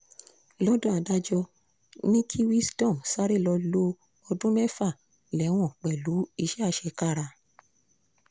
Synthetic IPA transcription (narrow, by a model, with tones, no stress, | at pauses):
lɔ˦dũ˦a˧˨da˦d͡ʒɔ˧ | nĩ˦kʰi˦wi˦sdɔ̃˦˨msa˦ɾe˦˨lɔ˧lo˧ | ɔ˧dũ˦mɛ˦fa˦˨ | lɛ˨˦w̃ɔ̃˦˨k͡pɛ˨lu˨˦i˧ʃɛ˦a˧ʃɛ˧ka˦˨ɾa˧